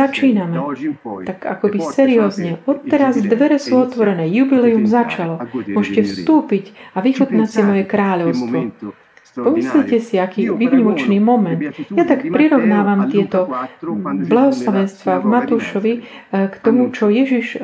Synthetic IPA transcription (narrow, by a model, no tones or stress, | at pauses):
at͡ʃiːnamɛt̪aka̰kɔbisɛɾiɔːzɲɛɔt̪ːɛɾazd̪ʋɛɾɛsuːɔt̪ʋɔɾɛnɛːjubilɛumzat͡ʃalɔmʊɔʒcɛfst̪uːpiɟaʋixut̪nacsimɔjɛkɾaːʎɔʊst̪ʋɔ | pɔmislicɛsiakiːʋiʋɲimɔt͡ʃniːmɔmɛnt̪jat̪akpɾiɾɔʊnaːʋamt̪ɪɛt̪ɔ | blaɦɔslaʋɛnst̪ʋaːvmat̪uːʃɔʋi | kt̪ɔmut͡ʃɔjɛʒiʃ